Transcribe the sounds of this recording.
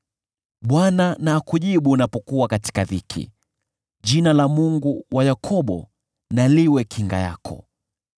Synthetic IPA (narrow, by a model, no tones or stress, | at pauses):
ɓwananaːkuʄiɓunapɔkuwakati̥kaðikʰḭ | ʄinalamuŋɡuwʔajakʰɔɓɔ̰ | naliwɛkʰiŋɡa̰ja̰kʰɔ̰